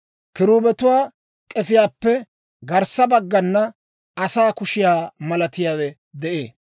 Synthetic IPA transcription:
kɪɾuːbɛt̪ʊwaː | kʼɛfɪjaːpːɛ | ɡɐɾsɐbɐɡːɐnːɐ | ɐsaːkʊʃɪjaːmɐlɐt̪ɪjaːwɛ | d̪ɛʔḛː

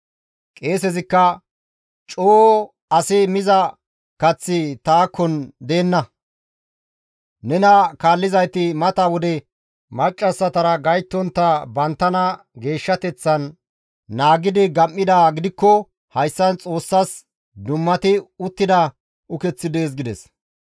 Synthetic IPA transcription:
kʼe̞ːsɛzɪkːɐ | t͡ʃʼoː | ɐsɪmɪzɐ | kɐt͡sːɪt̪aːkːɔnd̪e̞ːnːɐ | nɛnɐkaːlːɪzɐjt̪ɪmɐt̪ɐwɔd̪ɛ | mɐt͡ʃʼːɐsːɐt̪ɐɾɐɡɐjt̪ːɔnt̪ːɐbɐnt̪ːɐnɐ | ɡe̞ːʃːɐt̪ɛt͡sːɐnː | aːɡɪd̪ɪɡɐmːɪd̪aːɡɪd̪ɪkːɔ | hɐjsːɐnt͡sʼo̞ːsːɐs | d̪ʊmːɐt̪ɪʊt̪ːɪd̪ɐ | ʊkɛt͡sːɪd̪e̞ːs̬ɡɪd̪ɛ̰s

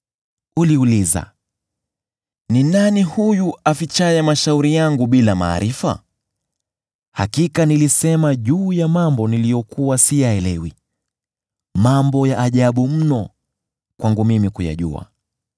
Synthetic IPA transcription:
uliuliza̰ | ninanihujuafit͡ʃajɛmaʃauɾijaŋɡuɓilama̰ːɾifa̰ | ha̰kikanilisɛmaʄuːjamambɔnilijɔkuwasijaɛlɛwi | mambɔjaʔːʄaɓum̩nɔ | kwʔaŋɡumimikuja̰ʄṵa̰

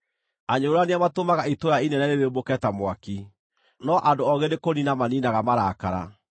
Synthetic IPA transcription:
aɲoɾoaneamatomaɣaitoɾainɛnaɾeβebokɛtamwaki | nɔʔandoɔɣenekoninamaninaɣamaɾakaɾa̰

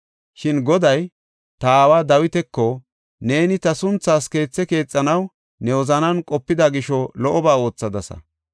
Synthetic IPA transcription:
ʃɪnɡɔd̪ɐj | t̪aːwaːd̪ɐwɪt̪ɛkːɔ | ne̞ːnɪt̪ɐsʊnt͡sːaːske̞ːt͡sːɛke̞ːt͡sʼːɐnɐw | nɛwɔzɐnɐnkʼɔpːɪd̪aɡɪʃɔlɔʔɔbaːo̞ːt͡sːɐd̪ɐsɐ̰

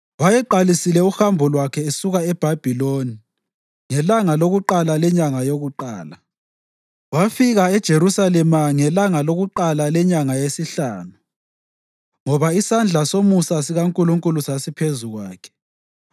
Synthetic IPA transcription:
wajɛǃalisilɛuxambʱɔlwakʰɛesuɣaɛb̥ʱab̥ʱiloni | ŋɛlaŋaloɣuǃalalɛɲaŋajoɣuǃa̰ːla | wafiɣaɛd̥ʒ̥ʱeɾusalɛmaŋɛlaŋaloɣuǃalalɛɲaŋajesiɬaːnu | ŋɔβaisand͡ɮʱasomusasiɣaŋkʼuluŋkʼulusasipʰezuɣwaːkʰɛ̥

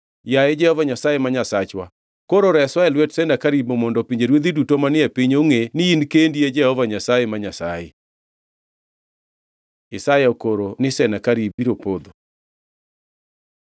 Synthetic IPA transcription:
jaɛd͡ʒɛhɔvaɲasajemaɲasat͡ʃwa̰ | koɾoɾɛswaɛlwɛtsɛnakaɾibomɔndɔpiɲd͡ʒeɾwed̪idutomanɪɛpiɲoŋenɪinkendied͡ʒɛhɔvaɲasajemaɲasa̰jḛ | ɪsajaokoɾonɪsɛnakaɾibiɾopod̪o

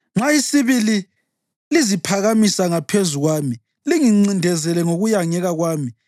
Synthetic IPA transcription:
ŋ͡ǁaisiβili | lizipʰaɣamisaŋapʰezuɣwaːmi | liŋiŋ͡ǀindʱɛzɛlɛŋoɣujaŋɛɣaɣwaːmi

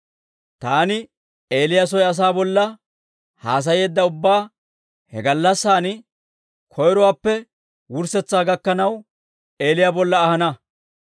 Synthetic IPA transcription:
t̪aːnɪ | e̞ːlɪjas̬ɔjɐs̬aːbɔlːɐ | haːs̬ɐje̞ːd̪ːɐʊbːaː | hɛ̰ɡɐlːɐsːaːnɪ | kʰɔjɾɔwaːpːɛ | wʊɾsɛt͡sːaːɡɐkːɐnɐw | e̞ːlɪjaːbɔlːɐːhɐnɐ

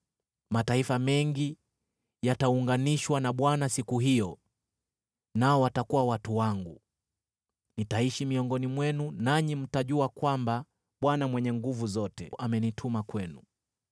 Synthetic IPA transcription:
mataifamɛŋɡi | jatauŋɡaniʃwanaɓwanasikuɦijɔ | naɔwatakuwawatuwaŋɡu | nitaiʃimiɔŋɡɔnimwɛnunaɲim̩taʄuakwamba | ɓwanamwɛɲɛŋɡuvuzɔtɛ̰ʔamɛnitʰumakwɛnu

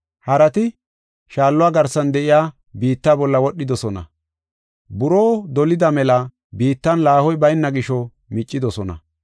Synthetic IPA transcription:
hɐɾɐt̪ɪ | ʃaːlːɔwaːɡɐɾsːɐnd̪ɛʔɪjaː | biːt̪ːaːbɔlːɐwɔɗːɪd̪ɔsɔnɐ̰ | bʊɾoːd̪ɔlɪd̪ɐmɛlɐ | biːt̪ːɐnlaːhɔjbɐjnːɐɡɪʃɔ | mɪt͡ʃʼːɪd̪ɔsɔnɐ̰

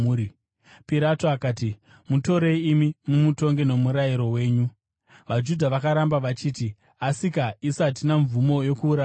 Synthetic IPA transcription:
i | piɾatoakaːti | muto̞ɾe̞ːmimumuto̞ŋɡe̞no̞muɾajiɾo̞we̞ːɲu | ʋad͡ʒudʱaʋakaɾambaʋat͡ʃiːti | asikaisat̬inaɱvumo̞jo̞kuːɾa

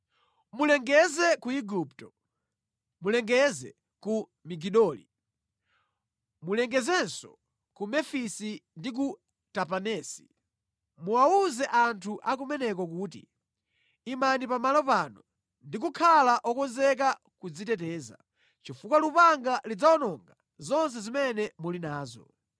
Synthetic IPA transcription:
mulɛŋɡɛzɛkuiɡuptɔ | mulɛŋɡɛzɛ̰ | ku | miɡiɗɔːlḭ | mulɛŋɡɛzɛnsɔ̰ | kumɛfisindik̬u | tapanɛːsi̥ | muauzɛʔantʰuʔak̬umɛnɛkɔk̬uːtḭ | imanipamalɔpaːnɔ | ndik̬ukʰalaʔɔkɔnzɛk̬a | kud͡zitɛtɛːza̰ | t͡ʃifukwalupaŋɡalid͡zaɔnɔŋɡa | zɔns̬ɛzimɛnɛmulinaːzɔ̰

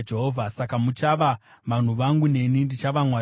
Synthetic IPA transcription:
d͡ʒe̞ɦoːvʱasakamut͡ʃaʋaʋan̤uʋaŋɡune̞nindit͡ʃaʋamwa

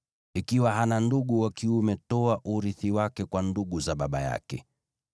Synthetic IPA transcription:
ikiwaɦananduɠuwakiumɛtɔaʔuɾiθiwakɛkwanduɠuzaɓaɓa̰ja̰kɛ̰

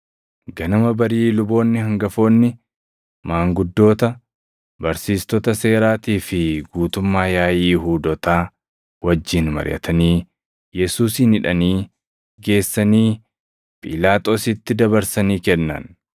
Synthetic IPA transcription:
ɡɐnɐmɐbɐɾiːlʊbo̞ːnːɪhɐŋɡɐfo̞ːnːɪ | maːŋɡʊd̪ːo̞ːt̪ɐ | bɐɾsiːst̪ɔt̪ɐse̞ːɾaːt̪iːfɪɡuːt̪ʊmːaːjaːjiːɦuːd̪ɔt̪aː | wɐd͡ʒːɪnmɐ̰ɾjʔɐ̰t̪ʰɐniː | jɛsuːsinɪᶑɐniː | ɡe̞ːsːɐniː | pʼɪlaːt̪ʼo̞ːsɪt̪ːɪd̪ɐbɐɾsɐniːkɛnːɐ̰n

